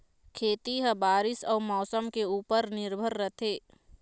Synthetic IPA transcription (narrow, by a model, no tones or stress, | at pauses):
kʰeːt̪iɦəbaːɾɪsɔːmɔːsəmkeuːpəɾnɪɾbʱəɾːət̪ʰeː